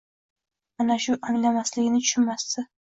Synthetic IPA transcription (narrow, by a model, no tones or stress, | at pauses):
anaʃʊʔaŋlamaslɪɡʲɪnɪt̪ʰʊ̥ʃɪnmast̪ɪ